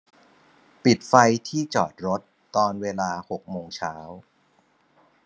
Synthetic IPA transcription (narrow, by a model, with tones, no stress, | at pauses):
pi˨˩t̪̚fa˧jt̪ʰiː˥˩t͡ɕɔ̰ː˨˩t̪̚ɾo˦˥t̪ːɔː˧nweː˧laː˧ho˨˩k̚moː˧ŋt͡ɕʰaː˦˥w